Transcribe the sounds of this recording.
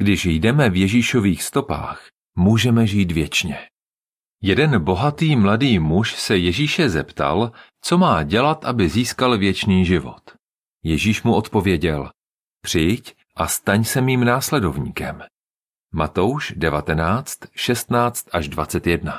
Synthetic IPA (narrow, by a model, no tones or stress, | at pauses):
ɡ̥dɪʃjdɛmɛvjɛʒiːʃo̞viːxst̪o̞pa̰ːx | muːʒɛmɛʒiːt̪vjɛt͡ʃɲɛ | jɛdɛnbo̞ɦat̪iːmladiːmuʃsɛjɛʒiːʃɛzɛpt̪a̰l | t͡so̞maːɟɛlat̪ʔabɪziːskalvjɛt͡ʃniːʒɪvo̞̰t̪ | jɛʒiːʃmuʔo̞t̪po̞vjɛɟɛl | pr̥ɪjc | ʔast̪aɲsɛmiːmnaːslɛdo̞vɲḭːkɛmː | at̪owʃdɛvat̪ɛnaːt͡st̪ʃɛst̪naːt͡st̪ʔaʒdvat͡sɛt̪jɛdna